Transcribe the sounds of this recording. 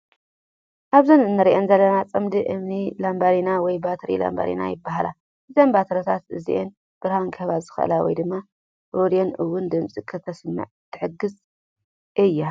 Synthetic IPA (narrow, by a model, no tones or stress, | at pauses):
ʔaβzɐnɨnːɐɾiʔenzɐlːɐnat͡sʼɨmd̪ɨʔɨmnilambaɾinawɔjbat̪ʰɾḭla̰mba̰ɾḭna̰jɪbːaɦala | ɨzɐmbat̪ʰɾɐt̪ʰat̪ɨzḭʔen | b̥ɨɾhaŋkʰɐβazɨxʔɨ̰lawɔ̰jd̪ɨmːa | ʔoɾionɨwːʊnd̪ɨmt͡sʼikʰɐt̪ʰɐsɨmːɨ̰ʕt̪ʰːɨ̥ħɨɡɨz | ʔɨjːa